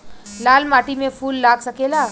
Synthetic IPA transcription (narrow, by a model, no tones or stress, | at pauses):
lalmaʈimefuːlːaɡsəkela